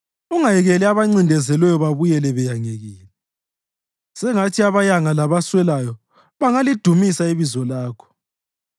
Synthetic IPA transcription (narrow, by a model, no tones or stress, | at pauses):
uŋajɛɣɛlɛaβaŋ͡ǀindʱɛzɛlwɛjɔβaβujɛlɛβɛjaŋeɣiːlɛ | sɛŋatʰiaβajaŋalaβaswɛlajɔ | βaŋalid̥ʱumisaiβizɔlaːkʰɔ̥